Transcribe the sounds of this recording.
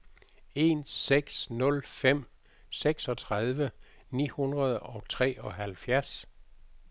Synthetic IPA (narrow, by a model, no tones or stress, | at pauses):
e̝nseɡ̥snɔ̽lfem̰ | seɡ̥sɒ̽t͡sʰʁað̞ˠʋənḭːhunʁɐð̞ˠɒ̽t͡sʰʁɛ̰ːɒ̽ɦælfjæɐs